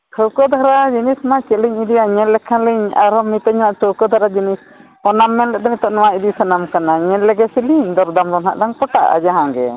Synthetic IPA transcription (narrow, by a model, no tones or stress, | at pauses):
k̪ʰəwkɔd̪ʱaɾad͡ʒinismat͡ʃɛliɲid̪ijaɲɛ̃lːɛkʰaliɲa̰ɾɔmit̪ɛɲɛnaʔtəwkɔd̪ʱaɾad͡ʒinis | ɔnamːɛnlɛʔt̪ɔmit̪ɔʔnɔwaid̪isanamkanaɲɛlːɛɡɛsiliɲd̪ɔɾd̪amɾɔnɦa̰ʔdaŋpɔʈa̰ʔa̰d͡ʒaɦãɡɛ̰